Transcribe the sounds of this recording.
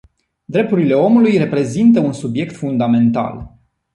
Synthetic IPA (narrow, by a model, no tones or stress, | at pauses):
d̪ɾe̞p̚t̪uɾile̞o̞mulujre̞pɾe̞zint̪əunsubje̞kt̪fund̪ame̞nt̪a̰l